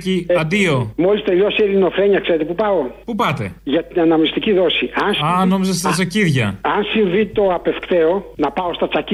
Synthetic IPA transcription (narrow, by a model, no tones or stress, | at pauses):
ciɐd̪io̞mo̞list̪e̞ʎo̞seiðino̞fɾe̞ɲɐkse̞ɾet̪e̞pupɐo̞pupɐt̪e̞̰ʝɐt̪inɐnɐmist̪iciðo̞siɐnsɐnomizɐst̪ɐt͡sɐciðʝɐɐnsiɱvit̪o̞ɐpe̞fkt̪e̞o̞nɐpɐo̞st̪ɐt͡sɐci